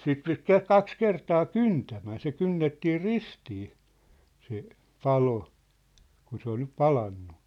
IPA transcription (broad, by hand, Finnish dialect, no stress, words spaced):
sit pit ke kɑks kertɑː kyntæmæn̞ se kynːetːiː ristiː se pɑlo kun se ol nyp pɑlɑnːu